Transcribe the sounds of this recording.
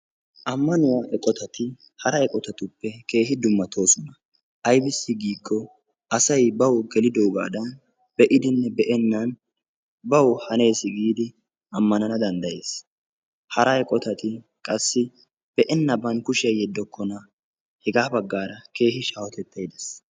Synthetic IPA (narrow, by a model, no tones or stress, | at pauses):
ʔɐmːɐnʊwaːʔɛkʼɔt̪ɐt̪ɪ | hɐɾɐɛkʼɔt̪ɐt̪ʊpːɛke̞ːɦɪd̪ʊmːɐt̪ʰo̞ːsɔnɐ | ʔɐjbɪsːɪɡiːkːɔ | ʔɐsɐjbɐwɡɛlɪd̪oɡa̰ːd̪ɐn | b̥ɛʔɪd̪ɪnːɛbɛʔɛnːɐn | bɐwhɐne̞ːsɪɡiːd̪ɪ | ɐmːɐnɐnɐd̪ɐnd̪ɐje̞ːs | hɐɾɐɛkʼɔt̪ɐt̪ɪ | kʼɐsːɪ | b̥ɛʔɛnːɐbɐnkʊʃɪɐjɛd̪ːɔkːɔnɐ | hɛɡaːbɐɡːaːɾɐke̞ːhɪʃaːwɔt̪ɛt̪ːɐjd̪ɐs